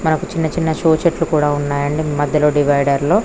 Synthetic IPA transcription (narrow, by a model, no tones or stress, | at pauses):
mɐnɐkut͡ʃinːɐt͡ʃinːɐʃoːt͡ʃeʈlukuːɽaːunːaːjɐɳɖimɐd̪ʱjɐlo̞ːɖiʋɐjɖɐɾlo̞ː